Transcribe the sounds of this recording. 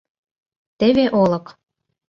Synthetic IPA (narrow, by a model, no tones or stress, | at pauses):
t̪eβeʔolɤ̆k